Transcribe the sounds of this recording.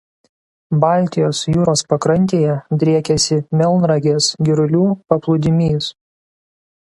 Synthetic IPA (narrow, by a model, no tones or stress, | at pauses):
bɑˑlʲt̪ʲɪjoːsjuːɾoːspɐkɾɐnʲt̪ʲeːjɛd̪ʲɾʲiɛkʲɛsʲɪmʲɛlˠnɾɐɡʲeːsɡʲɪɾʊlʲuːpɐplˠʊd̪ʲɪmʲiːs